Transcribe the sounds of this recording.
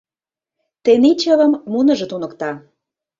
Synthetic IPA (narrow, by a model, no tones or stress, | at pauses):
t̪enit͡ɕə̆və̆mːunə̆ʒə̆t̪unə̆kt̪ɑ